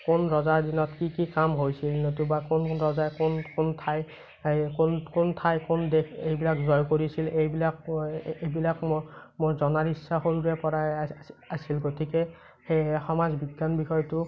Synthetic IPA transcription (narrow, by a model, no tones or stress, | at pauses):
kʊnɹɔzaɹdinɔtkikikamɦojsilnotubakʊnɹɔzajkʊnkʊntʰaj | konkʊntʰajkʊndekʰejbilakzɔjkoɹisilejbilak̚ebilakmmoɹzɔnaɹisːaxoɹuɹɛpɔɹajasilɡotʰikɛ | xexɔmazbiɡːanbixɔjtʊ